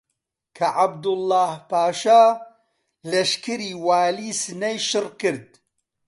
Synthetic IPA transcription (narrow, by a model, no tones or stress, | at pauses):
kʰɐʔab̚d̪ʊlːaːhpaːʃaː | lɐʃkɨɾiːwaːliːsɨnɐjʃɨrkɨɾd̪̚